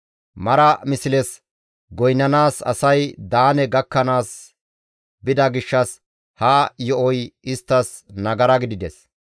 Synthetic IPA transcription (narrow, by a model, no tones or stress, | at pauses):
mɐɾɐmɪsɪlɛs | ɡɔjnːɐnaːsɐ̰sɐjd̪aːnɛɡɐkːɐnaːs | bɪd̪ɐɡɪʃːɐs | haːjɔʔɔjɪst̪ːɐs | nɐɡɐɾɐɡɪd̪ɪd̪ɛs